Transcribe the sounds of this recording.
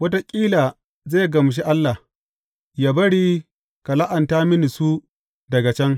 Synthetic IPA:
wɐ˦ta˦kʲʼiː˦laː˨ | zeː˦˨ɡɐ˨m˨ʃ̬i˦ʔa˦lːa˨h | jaː˦bɐ˦ɽiː˦ | ka˨la˦ʔɐ˨ntaː˦mɪ˦ni˨su˦ | dɐ˨ɡa˨t͡ʃɛ˦ŋ

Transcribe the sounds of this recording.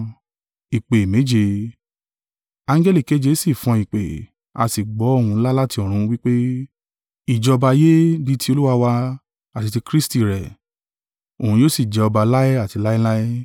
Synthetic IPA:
i˨k͡pe˨me˨˦d͡ʒe˧ | ã˧ŋ˦d͡ʒɛ˦li˦˨ke˨˦d͡ʒe˧˦si˦˨fɔ̃˧i˨k͡pe˨ | a̰˧si˨ɡ͡bɔ˨˦o˦˨ũ˧˦la˦la˦ti˧ɔ̃˨ɾ̃ũ˨˧˦wi˦k͡pe˦ | i˨d͡ʒɔ˨˧ɔ˧ba˧je˦di˦˧ti˧˦o˧lu˦wa˧wa˧ | a˨ti˧ti˧kɾi˦sti˨ɾɛ˨ | o˨ũ˧jo˦si˨d͡ʒɛ˨˧ɔ˧ba˧la˦ɛ˦a˦˨ti˧la˦i˦la˦e˦

